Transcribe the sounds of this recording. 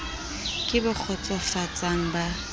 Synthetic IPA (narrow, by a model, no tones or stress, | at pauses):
kʼɪbɔk͡xʰɔt͡sʼɔfat͡sʼaŋ̩ba